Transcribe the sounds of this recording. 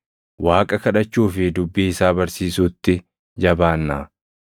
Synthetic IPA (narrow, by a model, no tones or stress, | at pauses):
waːkʼɐkɐᶑɐt͡ʃːuːfɪd̪ʊbːɪɪsaːbɐɾsiːsʊt̪ːɪ | d͡ʒɐbaːnːaː